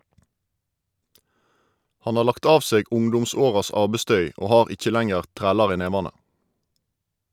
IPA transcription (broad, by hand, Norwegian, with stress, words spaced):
ˈhɑn ˈɑː ˈlɑkt ˈɑːʋ ˈseːɡ ˈʊŋdʊmˌsoːʁɑs ˈɑːbɛˌstœʏ ˈoː ˈhɑːʁ ˈɪc͡çə ˈlæŋəʁ ˈtʁæːlɑʁ ˈiː ˈneːʋɑnə